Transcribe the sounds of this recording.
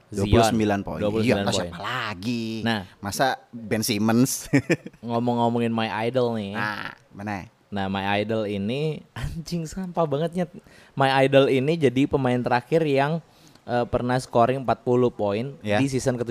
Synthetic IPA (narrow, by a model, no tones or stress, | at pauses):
zduiulusəmbilanpo̰iduapulusilanpoainalaɡinahmasabɛnsiməns | ŋomɔŋːomɔŋɪnmajajdəlnɪa̰ | mənaj | nahmajajdəliniaɲd͡ʒɪŋsampabaŋət̪̚ɲa | maiajdəlinid͡ʒadipəmaɪnt̪əɾakɪrjaŋ | ʔəːpərnahsə̥koɾɪŋmpat̪̚puluhpoɪnjdis̬isənkət̪u